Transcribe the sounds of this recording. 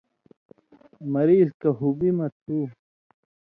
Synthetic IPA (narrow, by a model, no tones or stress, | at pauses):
mɐɾiːzkɐɦubimɐt̪ʰːi